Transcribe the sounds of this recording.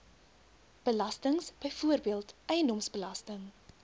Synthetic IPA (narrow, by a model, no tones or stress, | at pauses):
b̥əlɐstəŋsb̥əjfuərbiəlˠtʔɛjəndɔmsbəlɐstəŋ